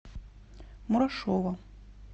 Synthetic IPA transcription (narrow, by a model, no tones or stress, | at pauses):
muɾaʂovɐ